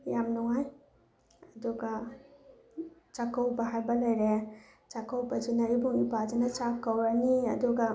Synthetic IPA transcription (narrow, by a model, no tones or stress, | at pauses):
jamnuŋaj | ɐduɡɐ | t͡ʃakɐwbɐɦajbɐlɐjɾe | t͡ʃakɐwbɐd͡ʒunɐibuŋibad͡ʒinɐt͡ʃakːɐwɾɐniɐ̰duɡɐ